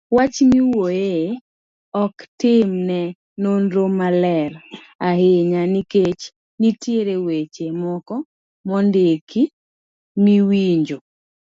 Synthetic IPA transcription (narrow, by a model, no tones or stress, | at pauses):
wat͡ʃniwoje | ɔktɪmnɛ | nonɾomalɛɾ | aɦɪɲaniket͡ʃ | nitjeɾewet͡ʃemɔkɔ | mɔndekʰi | miwiɲd͡ʒo